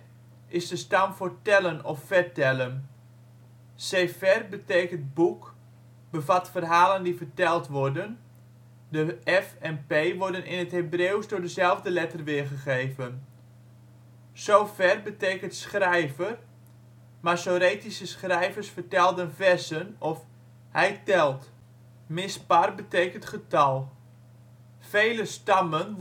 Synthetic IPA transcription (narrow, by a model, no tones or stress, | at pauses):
ʔɪzdəstamfoɹtɛlənɔfːɛrtɛlən | seːfɛrbəteːkənt̚buk | b̥əvatfərɦaːləndifərtɛlˠtʋɔrdən | dəɛfɛnpejʋɔɹdənɪnətɦebrewsdʊːɹdəzɛlˠvdəlɛtərʋɪəɹχəχejvən | sowfɛrbəteːkəntsχrɛjvər | masoɾeːtisəsχrɛjvərsfərtɛlˠdənvɛsənɔf | hɛjtɛlˠt | mɪsparbəteːkəntχətɑlˠ | fejləstɑmən